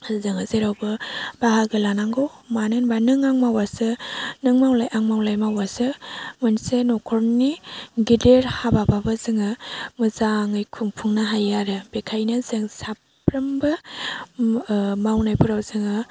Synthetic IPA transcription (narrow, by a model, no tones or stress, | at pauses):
zɯŋazeɾawbɯbaɦaɡɯlanaŋɡowmanɯnbanɯŋaŋmawasɯnɯŋmawlajʔaŋmawlajmawasɯmɯnsenɔkʰɔɾniɡideɾhabababɯzɯŋɯmɯzaŋɯjkʰuŋpʰuŋnaɦajaɾɯb̥ekʰajnazɯŋsapʰ | ɾɯmbɯ | mawnajpʰuɾawzɯŋɯ